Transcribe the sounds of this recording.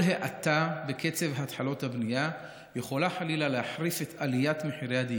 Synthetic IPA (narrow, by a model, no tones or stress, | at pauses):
lɦeʔatabe̞kʰe̞t͡se̞vhat̪ħalo̞t̪habnija | jeχo̞laħalilaleaħʁife̞t̪ʰalijat̪meħiʁead̪i